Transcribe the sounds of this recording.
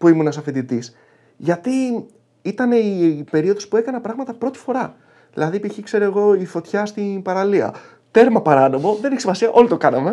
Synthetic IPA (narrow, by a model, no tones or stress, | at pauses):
puimunɐsɐfind̪it̪is | ʝɐt̪i | it̪ɐne̞ipe̞ɾio̞ðo̞spue̞kɐnɐpɾɐɣmɐt̪ɐpɾo̞t̪i̥fo̞ɾɐ | ðḭlɐðipiçikse̞ɾo̞eɣo̞ifo̞t̪çɐst̪inpɐɾɐliɐ̰ | t̪e̞ɾmɐpɐɾɐno̞mo̞ðe̞neçisimɐsiɐʔo̞lit̪o̞kɐnɐme̞